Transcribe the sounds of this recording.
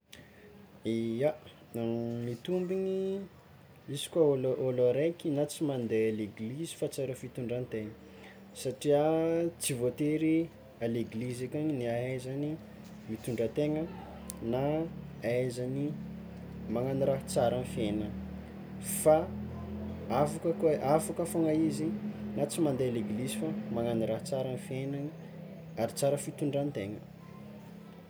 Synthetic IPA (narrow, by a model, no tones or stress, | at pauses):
ia | mit̪umbiɲi | izi̥kwaolʔoloɾekʲinat͡simand̪ealeɡlizi̥fat͡saɾəfit̪uɳɖ͡ʐant̪eŋə | saʈ͡ʂiat͡sivot̪eɾi | aleɡlizekʲaɲiniaɦajzani | mit̪uɳɖ͡ʐət̪eŋə | na | ajzani | maŋaniɾaɦt͡saɾanifenə | fa | avakəkoafakafoŋaizinat͡simand̪ealeɡlizifamaŋaniɾḁt͡saɾanfena | aɾit͡saɾəfit̪uɳɖ͡ʐant̪eŋə